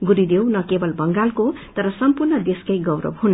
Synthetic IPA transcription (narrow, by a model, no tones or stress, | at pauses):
ɡuɾid̪ewnʌkebʌlbʌŋɡalkot̪ʌɾʌsʌmpurnʌd̪eskajɡʌwɾʌ̰bɦun